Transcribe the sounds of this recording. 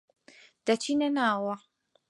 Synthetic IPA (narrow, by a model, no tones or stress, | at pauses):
d̥ɐt͡ʃʰinɐnaːwɐ